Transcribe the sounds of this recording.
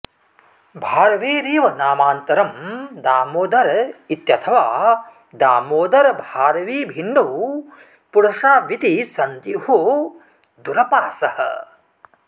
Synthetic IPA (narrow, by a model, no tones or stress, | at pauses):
bʱaːɾɐʋiːɾiːʋɐnaːmaːnt̪ɐɾɐmd̪aːmoːd̪ɐɾit̪jɐt̪ʰɐʋaː | d̪aːmoːd̪ɐɾbʱaːɾɐʋiːbʱinːu | puɽɐʂaːʋit̪isɐnt̪ihu | d̪uɾɐpaːsɐhɐ̰